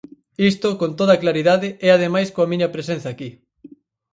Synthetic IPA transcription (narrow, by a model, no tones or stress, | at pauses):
ist̪okont̪oðɐklaɾiðaðɪɛaðemajskoɐmiɲɐpɾesẽn̟θɐaːki